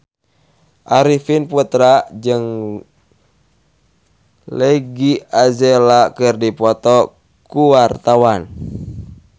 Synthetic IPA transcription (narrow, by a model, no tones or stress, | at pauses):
ʔaɾifinput̪ɾad͡ʒɨŋ | leɡiazɛlakɨrdipɔt̪ɔ | kuwart̪awan